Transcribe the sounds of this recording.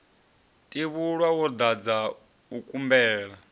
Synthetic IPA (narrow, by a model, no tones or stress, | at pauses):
tʼiβuɺwawɔd̪ad͡za | ukʼumbɛːɺa